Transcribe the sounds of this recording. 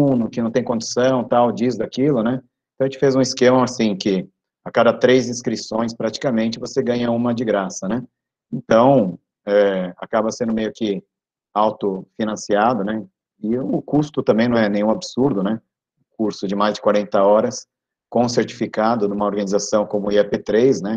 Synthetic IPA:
unʊkɪnɐ̃w̃t̪ẽj̃kõnd͡ʒɪ̥sɐ̃w̃t̪awd͡ʒizd̪akilʊnɛ | ẽt̪ɐ̃ʒẽt͡ʃɪfezũiskẽmɐasĩkɪ | akad̪ɐt̪ɾezĩskɾisõj̃spɾat͡ʃi̥kɐmẽnt͡ʃɪvoseɡɐ̃ɲɐũmɐd͡ʒɪɡɾasɐnɛ | ẽnt̪ɐ̃w̃ | ɛa̰kabɐsẽnd̪ʊmejʊkɪ | awt̪ʊfinɐ̃siad̪ʊnɛ | ɪʊkust̪ʊt̪ɐ̃mbẽj̃nɐ̃w̃ɛnẽj̃ũabɪsuɾd̪ʊnɛ | ʊ̃kuɾsʊd͡ʒɪmajzd͡ʒɪkwaɾẽnt̪ɐɔɾɐs | kõʊ̃s̬eɾt͡ʃi̥fikad̪ʊnũmɐoɾɡɐnizasɐ̃w̃kõmʊiapet̪ɾejznɛ

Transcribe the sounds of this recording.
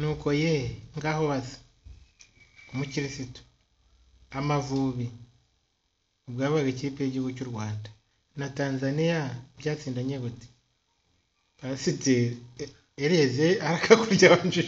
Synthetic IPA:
nuːko̞jeŋɡaho̞βazi̥ | omuciɾisito̥ | amavuːβi | obɡaːβaɡeciipeɟiɡocuɾɡwaːndḁ | nataːnzanijabjaːt͡siːndaɲeɡuti̥ | βasiteː | ɾezeaɾakʰakuɾɟaβand͡ʒu

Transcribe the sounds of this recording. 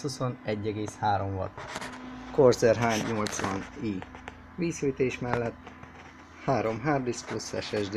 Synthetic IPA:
huso̞nɛɟːɛɡeːshaːɾo̞ɱvɒ̰t̪ | korzɛrɦaːɲːolt̪sʋɒni | ʋiːsyːjt̪eːʃmɛlːɛt̪ː | haːɾo̞mɦaːrd̪isplusɛ̰ʃɛʒd̪

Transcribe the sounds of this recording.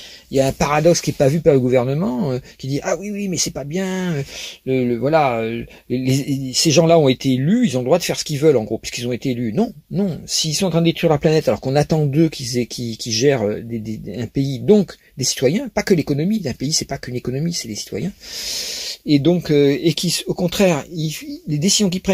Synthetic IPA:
iljaɛ̃paʁad̪ɔkskʲiɛpavypaʁləɡuvɛʁnəmɑ̃økʲid̪iʔawiwimɛsɛpabjɛ̃ølələvwalaø | leseʒɑ̃laɔ̃et̪eelyilzɔ̃ld̪ʁwad̪əfɛʁsə̥kilvœlɑ̃ɡʁopɥi̥skilzɔ̃et̪eelynɔ̃ | nɔ̃siilsɔ̃ɑ̃t̪χɛ̃d̪et̪χwiʁlaplanɛt̪alɔʁkɔ̃nat̪ɑ̃d̪økʰizɛkʰʲikʲiʒɛʁø̰d̪ed̪eɛ̃peid̪ɔ̃k | d̪esi̥t̪wajɛ̃pakəlekɔnɔmiɛ̃peisɛpakynekɔnɔmisɛd̪esi̥t̪wa̰jɛ̃ | ed̪ɔ̃køekʰisokɔ̃t̪χɛʁiled̪esizjɔ̃k̬ipχɛ

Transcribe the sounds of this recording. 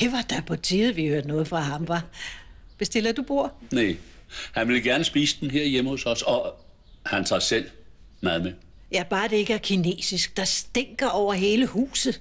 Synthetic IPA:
heʋɑ̈d̥ɑ̈pʰɒ̽t͡sʰiːð̩ˠʋihøɐd̥nɔ̽ːð̞̩ˠfʁɑ̈ɦɑ̈mʋɑ | b̥esd̥e̝lɐd̥ub̥o̝ɐ̰nehænʋe̝lɡ̥æɐnəsb̥ḭːsəd̥enɦeɐ̰jeməhosɒ̽sɒ | hænt͡sʰɑ̰̈sel̰ | mæð̩ˠme | jæb̥ɑ̈ːd̥ee̝ɡ̥əæɐkʰine̝̰ːsisɡ̥̚d̥ɑ̈sd̥eŋ̰ɡ̥ɐɒʊ̰ɐɦe̝ːləhṵːsð̩ˠ

